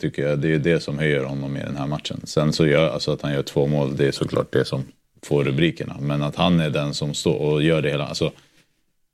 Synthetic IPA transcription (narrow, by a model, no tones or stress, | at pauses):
t̪ʰʏkːəjad̪ɛjɵd̪ɛsɔmhœjːəɾhɔnːɔmːɪ̰d̪ɛ̰nhɦæːɾmat̪ʂə̰nsɛnsɔjœːa̰lsɔat̪hanjœːʈʰv̥oːmoːld̪ɛːsɔkʰlɑ̰ːʈ̚d̪ɛsɔm | foːɾɵbɾiːkəɳa̰mɛnat̪hanæɖɛnsɔmst̪o̰ːɾɔjœːɖɛheːla̰ʔa̰lsɔ